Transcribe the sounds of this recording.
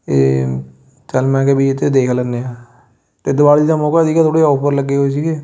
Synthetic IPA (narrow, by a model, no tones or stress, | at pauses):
eː | t͡ʃəlmɛ̃ːkebiːɪt̪ːed̪eːkʰlənːeːãː | t̪eːd̪ʊʋaːlt̪amõːkad̪iːkat̪ʰoːɽeːɔːpʰəɾləɡːeːɦos̬iɡeː